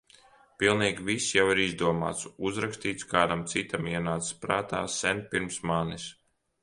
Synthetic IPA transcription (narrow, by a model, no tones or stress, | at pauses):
pilˠniːɡʲvisjawiɾizd̪uɔma̰ːt̪suzɾakst̪iːt̪skaːd̪amt̪sit̪amiɛnaːt̪sspɾaːt̪a̰ːsɛnpiɾmsmaːnis